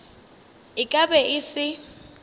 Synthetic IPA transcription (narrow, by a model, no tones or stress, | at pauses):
ɪkʼabɛʔɪsɪ